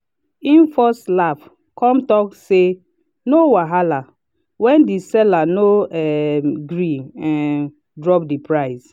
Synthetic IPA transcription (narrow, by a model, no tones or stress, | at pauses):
ĩnfɔslaf | kʰɔ̃mtɔkse | nowaɦala | wɛ̃ndisɛlanoɛɡɹiɛ̃n | dɹɔpdipɹaɪs